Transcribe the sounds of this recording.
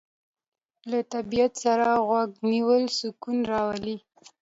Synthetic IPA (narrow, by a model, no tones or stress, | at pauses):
lat̪abijat̪saɾaɣwaɡniwəlsʊkunɾɑwali